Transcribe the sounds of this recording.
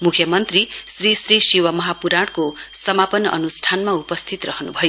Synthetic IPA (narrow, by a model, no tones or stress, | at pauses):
mukʰjʌmʌnt̪risrisrisiwʌmʌɦapuɾaɽkosʌmapʌnʌ̰nusʈʰanmaupʌst̪ʰit̪rʌɦʌnubʱʌjo